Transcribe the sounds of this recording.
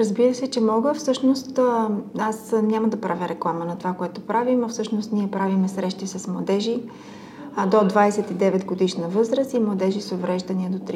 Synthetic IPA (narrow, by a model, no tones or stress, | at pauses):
ɾəzbiɾəsɛt͡ʃɛmɔɡəfsɤʃnost̪asnʲaməd̪ɐpɾʔavʲəɾʔɛklˠamənɐt̪ovakoɛt̪opɾavimɐfsɤʃnost̪niɛpɾavimɛsɾɛʃt̪isɐsmlˠɐd̪ɛʒi | d̪od̪vajsɛt̪id̪ɛvɛt̪ɡod̪iʃnɐvɤzɾəsimlˠɐd̪ɛʒisovɾɛʒd̪ɐniɛd̪ot̪ɾ